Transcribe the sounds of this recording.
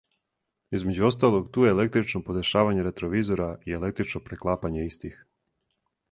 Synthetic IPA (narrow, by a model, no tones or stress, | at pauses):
izmed͡ʑuo̞st̪aːlˠo̞ɡt̪uːjeːle̞k̚t̪ɾit͡ʃnopo̞d̪eʃaːʋaɲe̞ɾe̞t̪ɾo̞ʋiːzo̞ɾaie̞le̞k̚t̪ɾit͡ʃnopɾeklˠaːpaɲe̞ist̪ix